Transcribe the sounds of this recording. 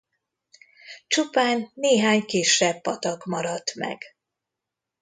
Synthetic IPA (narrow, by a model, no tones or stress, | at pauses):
t͡ʃupaːnːeːɦaːɲkiːʃːɛbːɒt̪ɒɡmɒɾɒt̪mɛ̰ɡ̥